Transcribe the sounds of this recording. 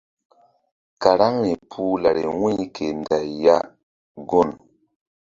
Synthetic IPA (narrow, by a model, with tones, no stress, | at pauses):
ka˨ɾa˦ŋɾi˨pʰu˦la˨ɾi˨wi˦kʰe˨nda˨jːa̰˦ | ɡo˦˨n